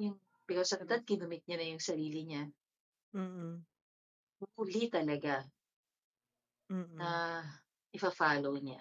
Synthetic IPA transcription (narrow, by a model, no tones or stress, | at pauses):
jʊŋ | pɪkasɐd̪ɐt̪̚kɪnʊmɪt̪̚ɲɐnɐjʊŋsɐɾiːlɪɲa | bʊkʊlit̪ɐlɐɡa | nɐ | ʔɪpɐfaːlowɲa̰